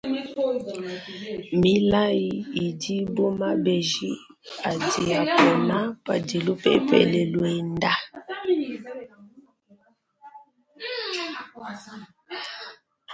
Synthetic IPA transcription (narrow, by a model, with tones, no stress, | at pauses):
mbi˦la˦ji˦i˨di˦bo˦ma˦bɛ˨ʒi˦ | a˨di˨a˨pɔ˨na˦pa̰˨de˨lo˦pɛ̰˦˨˦pɛ̰˨lɛ˨lwɛ˨nda˦